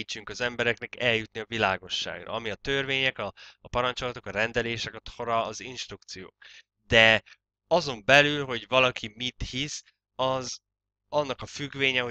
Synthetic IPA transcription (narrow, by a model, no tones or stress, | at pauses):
t͡ʃːyŋkɒzɛmbɛɾɛknɛkɛljut̪niɒvilaːɡo̞ʃːa̰ːɡrɒ̰ɒmiɒt̪ørveːɲɛkɒːpɒɾɒnt͡ʃo̞lɒt̪o̞kɒɾɛnd̪ɛleːʃɛkɒt̪hoɾɒːzinʃt̪rukt̪sijo̰ːk | d̪ɛ | ɒzo̞mbɛlylɦo̞ɟvɒlɒkʰimit̪his | ɒz | ɒnːɒkɒfyɡveːɲɛɦo